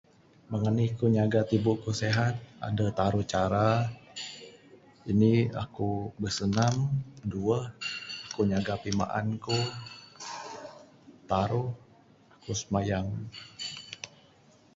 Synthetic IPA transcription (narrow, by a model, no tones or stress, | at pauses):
məŋanikuɲaɡat̪ibukuseɦat̪̚a̰dət̪aɾuht͡ʃaɾa | inia̰kubəsənamduəhakuɲaɡapima̰ʔa̰nku | t̪aɾuh | akusəmajaŋ